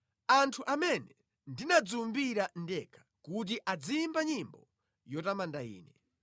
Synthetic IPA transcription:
antʰuʔamɛnɛ | ndinad͡zumbiɾandɛkʰḁkut̬iʔad͡zimbaɲimbɔ | jɔtamandaḭːnɛ

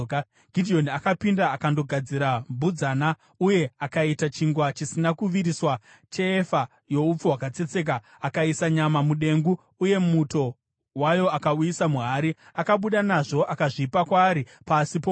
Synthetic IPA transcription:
ɡ̥ʱidʱio̞nakapindaːkando̞ɡʱad͡ziɾambud͡zaːna | uje̞akaitat͡ʃiŋɡwat͡ʃisinakuʋiɾiswa | t͡ʃe̞ːfa | jo̞up͡fuwakat͡se̞t͡se̞k̬aː | kaisaɲamamuɗe̞ŋɡuː | je̞muto̞ | wajo̞akaujisamuɦaːɾi | akaɓuɗanaʐo̞ʔakaʐipakwaːɾi | pasipo

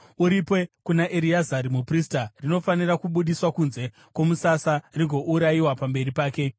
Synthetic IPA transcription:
uɾipwe̞kunaʔeɾiazaɾimupristarino̞fanirakuɓuɗiswakunze̞ | kwo̞musasariŋɡʱo̞ʔuɾaiwapambe̞ɾipaːke̞

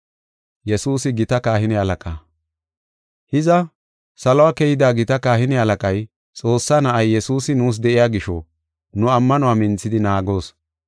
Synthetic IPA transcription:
jɛsuːsɪɡɪt̪ɐkaːhɪnɛhɐlɐkʼaː | hɪzɐ | sɐlɔwakɛjɪd̪aːɡɪt̪ɐkaːhɪnɛhɐlɐkʼɐj | t͡sʼo̞ːsːaːnɐʔɐjːɛsuːsɪnuːs̬d̪ɛʔɪjaːɡɪʃɔ | nʊɐmːɐnʊwaːmɪnt͡sːɪd̪ɪnaːɡo̞ːs

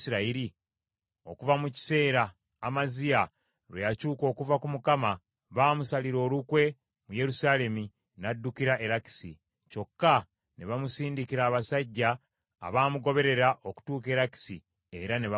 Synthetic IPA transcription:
siɾaiɾi | o̞̰kuvamuci̥se̞ːɾaː | mazija | ɾwejacuːko̞ːkuvakumukama | βaːmusaliɾo̞ːlukwe̞ | muje̞ɾusaːle̞mi | nadːukiɾaʔe̞ɾaki̥sḭ | co̞kːa | neβamusiːndikiɾaːβasaɟːa̰ː | βaːmuɡo̞βe̞ɾe̞ɾaʔo̞ku̥tuːke̞ːɾaki̥si | e̞ɾaneβa

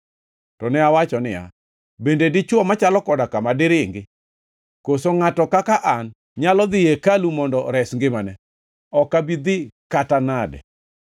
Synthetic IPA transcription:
tɔnɛawat͡ʃɔnɪ̰ja̰ | bendedɪt͡ʃwɔmat͡ʃalɔkɔdakamadɪɾɪŋɡɪ | kosoŋatɔkakaʔan | ɲalɔd̪ɪjekalumɔndɔɾɛsŋɡɪmanɛ | ɔkabid̪ɪkatanadɛ̰

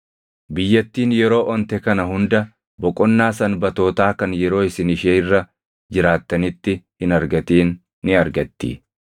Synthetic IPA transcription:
bɪjːɐt̪ːiːnjɛɾo̞ːʔɔnt̪ɛkɐnɐɦʊnd̪ɐ | bɔkʼɔnːaːsɐnbɐt̪o̞ːt̪aːkɐnjɛɾo̞ːɪsɪnɪʃeːɪrːɐ | d͡ʒɪɾaːt̪ːɐnɪt̪ːɪhɪnɐɾɡɐt̪iːnː | ɪɐɾɡɐt̪ːḭː

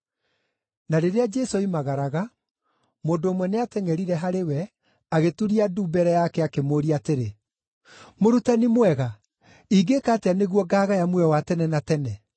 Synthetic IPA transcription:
naɾeɾead͡ʒɛsoimaɣaɾaɣa | moːndoːmwɛneatɛŋɛɾiɾɛɦaɾewɛ | aɣetuɾiaduːbɛɾɛjakɛakemoːɾiateɾe | moɾutanimwɛɣa | iːɡekaːteaneɣwɔɡaːɣajamwɛwatɛnɛnatɛnɛ

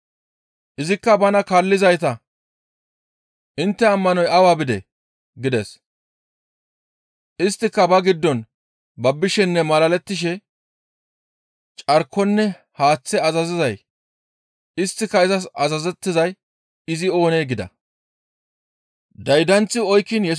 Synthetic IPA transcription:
ʔɪzɪkːɐbɐnɐkɐlːɪzɐjt̪ɐ | ʔɪnt̪ːɛɐmːɐnɔjɐwaːbɪd̪ɛ̰ | ɡɪd̪ɛs | ʔɪst̪ːɪkːɐbɐɡɪd̪ːɔn | bɐbːɪʃɛnːɛmɐlɐlɛt̪ːɪʃ̬ɛ | t͡ʃʼɐɾkːɔnːɛ | haːt͡sːɛɐzɐzɪzɐj | ɪst̪ːɪkːɐɪzɐsɐzɐzɛt̪ːɪzɐj | ɪzɪo̞ːneːɡɪd̪ɐ̰ | d̪ɐjd̪ɐnt͡sːɪɔjkːɪnjɛ

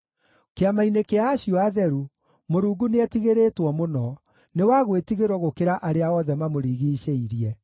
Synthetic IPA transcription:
keamainekeaːɕiɔaðɛɾu | moɾuːɡuneɛtiɣeɾeːtwɔmonɔ | newaɣwetiɣeɾwɔɣokeɾaʔaɾeaɔðɛmamoɾiːɣiːɕeiɾiɛ

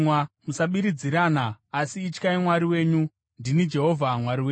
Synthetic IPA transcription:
wamusaɓiɾid͡ziɾaːnaːsiːt͡ʃkaimwaɾiwe̞ːɲu | ndinid͡ʒe̞ɦo̞vʱamwaɾiweː

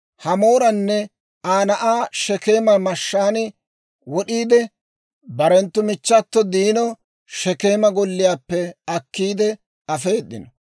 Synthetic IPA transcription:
hɐmo̞ːɾɐnːɛ | aːnɐʔaːʃɛke̞ːmɐmɐʃːaːnɪ | wɔɗiːd̪ɛ | bɐɾɛnt̪ːʊmɪt͡ʃːɐt̪ːɔd̪iːnɔ | ʃɛkeːmɐɡɔlːɪjaːpːɛɐkːiːd̪ɛ | ɐfeːd̪ːɪnɔ

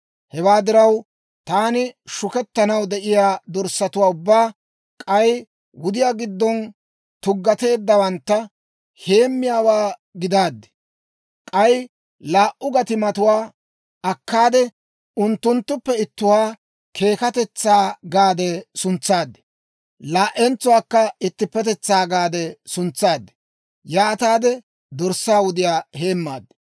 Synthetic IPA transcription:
hɛwaːd̪ɪɾɐw | t̪aːnɪʃʊkɛt̪ːɐnɐwd̪ɛʔɪjaːd̪ɔɾsɐt̪ʊwaːʊbːaː | kʼɐj | wʊd̪ɪjaːɡɪd̪ːɔn | t̪ʊɡːɐt̪e̞ːd̪ːɐwɐnt̪ːɐ | he̞ːmːɪjaːwaːɡɪd̪aːd̪ːɛ̥ | kʼɐj | laːʔʔʊɡɐt̪ɪmɐt̪ʊwaː | ɐkːaːd̪ɛ | ʊnt̪ːʊnt̪ːʊpːɛɪt̪ːʊwaː | kʰe̞ːkɐt̪ɛt͡sːaːɡaːd̪ɛsʊnt͡sːaːd̪ːɛ̥ | laːʔɛnt͡sʊwaːkːɐɪt̪ːɪpːɛt̪ɛt͡sːaːɡaːd̪ɛsʊnt͡sːaːd̪ːɛ̥ | jaːt̪aːd̪ɛ | d̪ɔɾsaːwʊd̪ɪjaːhe̞ːmːaːd̪ːɛ̥

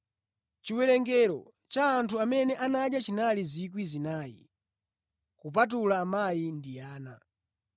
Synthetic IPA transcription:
t͡ʃiwɛɾɛŋɡɛɾɔ̰ | t͡ʃaːntʰuamɛnɛʔanaɗjat͡ʃinalizik̬wizinaːjḭ | kup̬at̬ulaːmajindijaːna̰

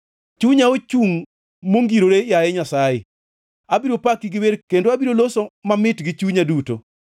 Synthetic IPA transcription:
t͡ʃuɲaot͡ʃuŋ | moŋɡiɾoɾejajɛɲasaje | abiɾopakiɡɪweɾkendoabiɾolosomamɪtɡɪt͡ʃuɲaduto̰

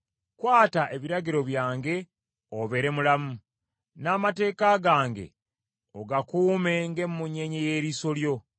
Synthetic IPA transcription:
kwaːtaʔe̞βiɾaɡiɾo̞βjaːŋɡe̞ | oβe̞ɾe̞mulamu | naːmate̞ːkaɡaːŋɡe̞̰ | oɡakuːme̞ŋɡemːuɲeɲeje̞ːɾiso̞ljo̞

